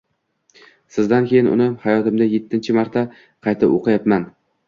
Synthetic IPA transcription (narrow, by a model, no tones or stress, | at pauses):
sɪzd̪ankʲʰejɪnʊ̰nɪhajɒt̪ɪmd̪aje̞t̪ʰːɪnt͡ʃʰɪmaɾt̪ʰa | qʰɑjt̪ʰɪ̰bo̰qɨjap̪man